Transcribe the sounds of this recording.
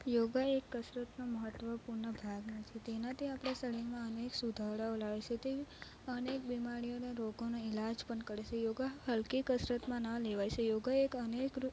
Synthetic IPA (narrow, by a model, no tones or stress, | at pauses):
joɡaekːəsɾət̪noməɦət̪ːʋəpuɾɳəbʱaɡnat͡ʃʰet̪enãt̪ʰiapɽ̃asəliŋmãəneksud̪ʱaɽaolaʋet͡ʃʰet̪e | ənekbimaɽijoneɾoɡonoɪlad͡ʒpəɳkəɾet͡ʃʰejoɡaɦəlkikəsɾət̪mãnãleʋajt͡ʃʰejoɡaekənek